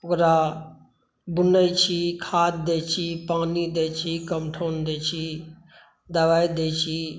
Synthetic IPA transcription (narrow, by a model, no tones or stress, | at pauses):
okɾa | bunəjt͡ʃʰikʰaːt̪̚d̪eːt͡ʃʰipaːnid̪eːt͡ʃʰikəmʈʰoːnd̪eːt͡ʃʰi | d̪əʋaːid̪eːt͡ʃʰi